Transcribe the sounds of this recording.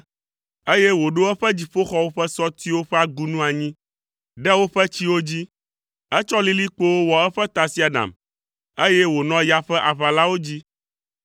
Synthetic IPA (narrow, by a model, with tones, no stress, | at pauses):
e˦jɛ˦wo˨ɖo˦ɛ˦ɸɛ˦d͡ʑi˨ɸo˦xɔ˦wo˦ɸɛ˦sɔ˦t̪i˦wo˦ɸɛ˦a˨ɡu˦nũ˦a˨ɲĩ˦ | ɖɛ˦wo˦ɸɛ˦t͡ɕi˦wo˦d͡ʑi˦ | ɛ˦t͡ʃɔ˦li˦li˦k͡po˦wo˦wɔ˨ɛ˦ɸɛ˦t̪a˨si˦a˨ɖa̰˨m | e˦jɛ˦wo˨nɔ̃˦ja˦ɸɛ˦ʔa˨βa˨la˦wo˦d͡ʑi˦